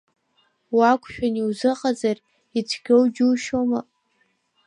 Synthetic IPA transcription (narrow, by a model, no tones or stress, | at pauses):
wakʷʰʼʃᶣaniwzɨqʼazar | it͡sʷʰɡʲowd͡ʒuʃoma